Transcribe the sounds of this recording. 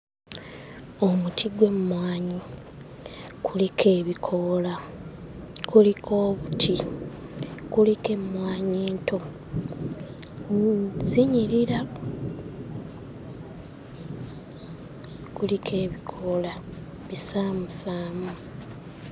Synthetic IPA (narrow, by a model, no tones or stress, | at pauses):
o̞mutʰiɡwe̞mmwaːɲi | kulikʰe̞ːβikʰola | kulikʰo̞ːβutʰi | kulike̞mːwaːɲeːntʰo̞ | ziɲiɾiɾa | kulikʰe̞ːβikʰola | βisaːmusaːmu